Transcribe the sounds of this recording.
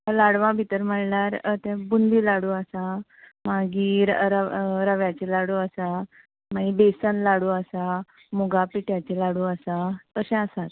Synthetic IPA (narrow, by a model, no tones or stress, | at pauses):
laɽʋãbʱit̪əɾm̤əɳlaɾət̪ɛ̃bund̪ʱiːlaɽuːəsamaɡiːɾɾəɾəʋjat͡ɕelaɽuːəsa | maɡiːbesənlaɽuːəsa | muɡapiʈjat͡ɕelaɽuəsat̪əsɛ̃əsat̪